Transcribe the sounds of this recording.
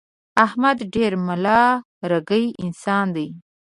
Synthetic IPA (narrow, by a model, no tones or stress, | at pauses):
ahmad̪ɖeɾmalɑ | ɾaɡəjɪnsɑnd̪ej